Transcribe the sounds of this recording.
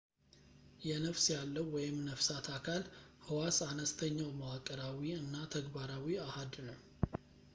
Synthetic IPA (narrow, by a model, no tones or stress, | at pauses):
jɛnəfsjalːəwwɔjɪmnəfsat̪ʰakʰalhɨwasanəst̪ʰəɲːawməwakʼːəɾawiɨnːat̪ʰəɡbaɾawiahad̪nəw